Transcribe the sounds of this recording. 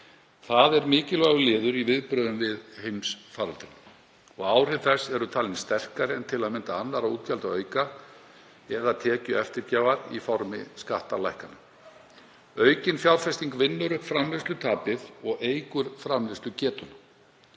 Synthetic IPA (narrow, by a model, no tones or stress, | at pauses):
θaðɛɾmɪːcɪlvaɣʏlɪːðʏɾivɪðpɾœːðʏmvɪðhejmsfaːɾalt̪ɾɪn | ɔɣaːwr̥ɪvθɛsːɛɾʏt̪ʰaːlɪnst̪ɛr̥kaɾɪɛnt̪ʰɪlaðmɪnt̪aanːaɾauːt̪calt̪aœɥka | ɛðat̪ʰɛːcʏɛft̪ɪɾcaːvaɾḭfɔɾmɪ̰skaht̪alajhkana | œːɥcɪnfjawɾfɛst̪iŋkvɪnːʏɾʏfɾamlɪst̪ʏt̪ʰaːpɪðɔɣeːjkʏɾ̥fɾamlɪst̪ʏcɛːt̪ʏna